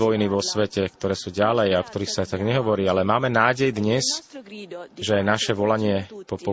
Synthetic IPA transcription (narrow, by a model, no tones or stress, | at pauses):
ʋɔjniʋɔsʋɛcɛkt̪ɔɾɛːsuːɟalɛjaɔkt̪ɔɾiːxsat̪aɡɲɛɦɔʋɔɾiːalɛmaːmɛnaːɟɛjd̪ɲɛs | ʒɛajnaʃɛʋɔlaɲɪɛpɔpɔ